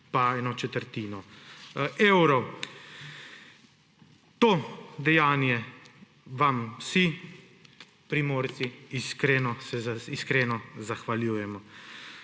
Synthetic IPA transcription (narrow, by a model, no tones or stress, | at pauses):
paɛːnɔt͡ʃɛt̪əɾt̪iːnɔ | eːwɾɔw | t̪od̪ɛjaːnjɛ | ʋamwsi | pɾimoːɾt̪siiskɾeːnɔsɛziskɾeːnɔzaxʋaljuːjɛmɔ